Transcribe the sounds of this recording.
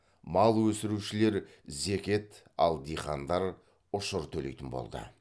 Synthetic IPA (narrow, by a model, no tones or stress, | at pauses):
mɑlˠwɵsɪɾuʃɪle̞ɾ | zekʲe̞t̪ | ɑlˠd̪ijχɑnd̪ɑɾ | ʊʃʊɾt̪ʰɵle̞̰jt̪ɪnbo̞̰lˠd̪ə̰